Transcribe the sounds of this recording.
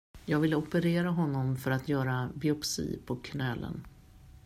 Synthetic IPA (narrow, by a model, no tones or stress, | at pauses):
jɑːɡvɪlːəɔpəɾeːɾaɦɔnːɔmfœɾat̪jœːɾabɪɔpsḭːpʰɔkʰnɛlːə̰n